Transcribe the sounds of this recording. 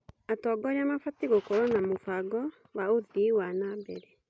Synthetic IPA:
atɔɡɔɾeamafatiɣokɔɾɔnamofaɡɔ | waoðiwanabɛɾɛ

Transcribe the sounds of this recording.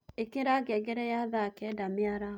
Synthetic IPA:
ekiɾaɡeɡeɾejabakɛdamiaɾa

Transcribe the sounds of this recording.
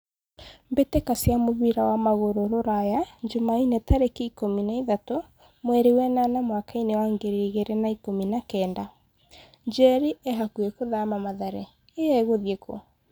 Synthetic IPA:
mbetekasjamoβiɾawamaɣoɾoɾoɾajad͡ʒomainetaɾekeikominaiðato | mwɛɾewɛnanamwakainewaŋɡeɾeiɣeɾenaikominakɛːnda | d͡ʒɛɾieɦakuɛkoðamamaðaɾɛ | eɛɣoðjeko̰

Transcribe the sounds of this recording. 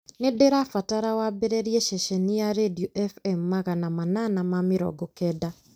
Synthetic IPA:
nedeɾafataɾawabɛɾɛɾiɛʃɛʃɛniaɾedioʔɛfɛm̩ːaɣanamananamamɪɾɔ̰ɡɔkɛda

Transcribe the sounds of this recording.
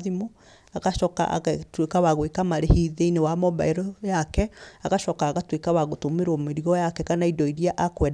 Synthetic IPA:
ðimo | aɣaʃɔka̰ʔɣtwekawaɣwekamaɾehiðeinewamɔba̰eɾɔjakɛaɣaʃɔkaːɣatwekawaɣotomeɾwɔmeɾiɔjakɛkanaidɔiɾiaʔakwɛ

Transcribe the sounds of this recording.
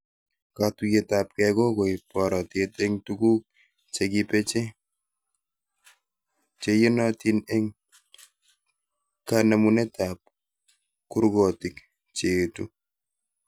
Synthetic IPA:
katujetap̚kɛkokojpɔɾɔtetɛŋtuɡuk̚ | t͡ʃeɡipet͡ʃe | t͡ʃejinɔtineŋ | kanamunetap̚ | kuɾɡotik | t͡ʃetu

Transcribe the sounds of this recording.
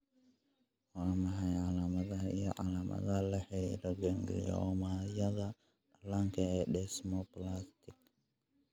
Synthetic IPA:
waːmɐɦɐjʕalaːmɐðɐḭjɔ̰ʕalaːmʔɐ̰ðɐlɛħḭlɐɡɛŋɡlḭjɔ̰majɐðɐ | laŋkʰɐɛːɗɛsmɔplast̪ɪk̚

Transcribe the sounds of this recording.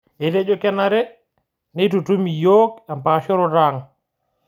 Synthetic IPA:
ʔɛdɛd͡ʒɔkɛnaɾɛ | nɛjtutumijɔːkampaʃɔɾɔɾaŋ

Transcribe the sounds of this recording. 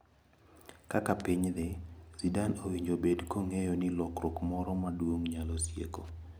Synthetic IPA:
kakapiɲd̪ɪz̥idanowiɲd͡ʒobedkoŋejɔnɪlɔkɾɔkmɔɾɔmadwoŋɲalɔsjḛko

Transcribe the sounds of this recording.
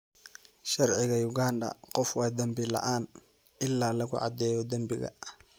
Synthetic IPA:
ʃɑrʕɪɣɐjʊɡaːndɐ̰qɔfwɛd̪ɐmbɪlɐ̰ʔaːn | ʔɪlːaːlɐɣʊʕɑ̰d̪ɛːjɔd̪ɐmbɪɣɐ̰

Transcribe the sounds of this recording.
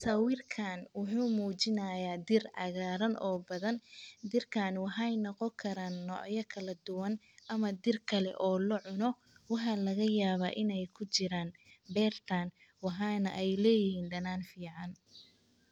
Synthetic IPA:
sɐwɪrkʰaːnwʊħuːmuːt͡ʃɪnɐjaːd̪ɪrʕɑ̰ɣaːɾɐnʔɔːbɐðɐnd̪ɪrkʰaːnwɑħɑjnɐqɔkʰɐɾaːnːɔ̰ːʕjɐkʰɐlɐd̪ʊwɐn | ʔɐmɐd̪ɪrkʰɐlɛ̰ʔɔːlɐʕʊnɔ | wɑħɑlɐɣɐjaːβa̰ːʔɪnɛjkʰʊt͡ʃɪɾaːnbɛːrt̪ʰaːn | wɑħɑːnɐ̰ʔɛjlɛːjɪɦiːnɖɐnaːnfiːʕɑn

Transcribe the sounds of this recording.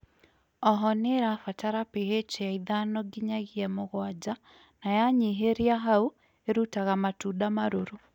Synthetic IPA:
ɔɦɔneɾafataɾapiɦet͡ʃejaiðanɔɡiɲaɣiɛmoɣwad͡ʒa | najaɲiɦeɾiaɦau | eɾutaɣamatuːdamaɾoɾo

